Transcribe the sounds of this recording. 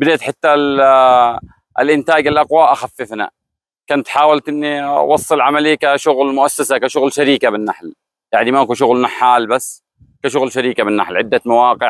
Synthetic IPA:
bɪd̪aʕt̪ħɪt̪ːa | lʔɪnt̪aːɡalʔɑqwaʔaxafːɪfna̰ | kʊnt̪ħaːwalt̪ʔɪnːiwɑsˤːɨlʕamalikaʃʊɣlmʊʔasːasakaʃʊɣlʃaɾiːkabɪnːaħl | jaʕnimaakuʃ̬ʊɣlnaħːaːlbasː | kaʃʊɣlʃaɾiːkabɪnːa̰ħlʕɪd̪ːamawaːqɪʕ

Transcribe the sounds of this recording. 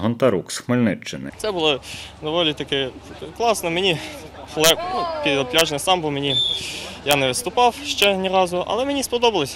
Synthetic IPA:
ɦɔnt̪ɐɾuksxmelʲnɪt͡ʃːɪnɪ̰t̪sɛbʊlˠɔd̪ɔʋɔlʲit̪ɐkɛklˠɑsnɔmenʲixlˠɛp̚nupʲidd̪ɐplʲaʒnɛsɑmbɔmenʲijanɛʋɪst̪ʊpɑwʃt͡ʃɛnʲiɾɑzʊʔɐ̰lˠɛmenʲispɔd̪ɔbɐlˠesʲɐ

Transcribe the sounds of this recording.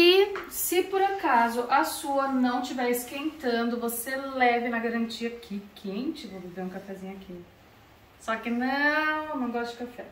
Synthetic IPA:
ɪsɪpoɾakazʊʔɐsuɐnɐ̃w̃t͡ʃivɛsɪ̥kẽnt̪ɐ̃nd̪ʊvoselɛvɪnɐɡaɾɐ̃nt͡ʃiɐkʰɪkʰẽt͡ʃɪvobeveɾũkafɛzĩɲʊakʰi | sɔkɪnɐ̃wnɐ̃w̃ɡɔst̪ʊd͡ʒɪkafɛ

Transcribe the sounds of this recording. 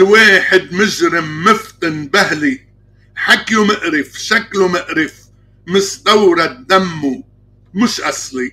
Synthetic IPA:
weːħɪd̪mʊʒɾɪmːɪft̪ˤɪnbahli | ħakjumɪʔɾɪfʃaklumɪʔɾɪf | mɪsd̪awɾˤɑd̪ːamːu | mʊʃʔɑsˤli

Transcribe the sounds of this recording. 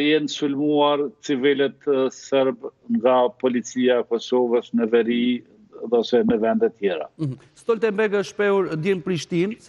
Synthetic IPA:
jɛnsulmuaɾt͡sivilɛt̪sɛɾbŋɡapɔlit͡siaɛkɔsɔvəsnəvɛɾi | ðɔsɛməvɛnd̪ɛt̪jɛɾa̰ | st̪ɔlt̪ɛmbɛɡəʃpɛuɾd̪jɛmpɾiʃt̪in

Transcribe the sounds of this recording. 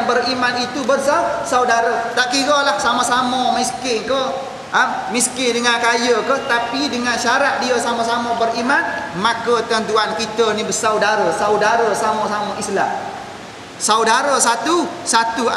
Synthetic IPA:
nbərimanit̪ubərs̬awsawdaɾət̪aʔkiɡəlahsaməsaməmiskɪkə | əmiskɪdəŋankajəkəht̪apidəŋanʃaɾat̪̚diəsaməsaməbərimanmakət̪ənt̪uankit̪ənibəsawdaɾəsawdaɾəsaməsaməʔisla̰m | sawdaɾəs̬at̪usat̪u

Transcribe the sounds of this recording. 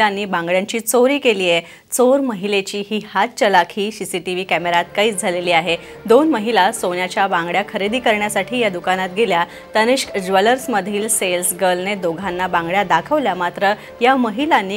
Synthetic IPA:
anːiːbãŋɡɭjãɲt͡ɕiːt͡soɾiːkeliːje | t͡soɾməɦilet͡ɕiːɦiːhat̪̚t͡ɕəlakʰiːsisiʈiʋiːkæmeɾat̪kaiːt͡sd͡zʱaleliːaɦe | d̪onməɦilasonjat͡ɕjabãŋɡɭjakʰəɾid̪iːkəɾɳjasaʈʰiːjad̪ukanat̪̚ɡelja | t̪əniɕkd͡ʑʋələɾsməd̪ʱiːlselsɡəlned̪oɡʱanːabãŋɡɭjad̪akʰəʋljamat̪ɾə | jaməɦilanːiː

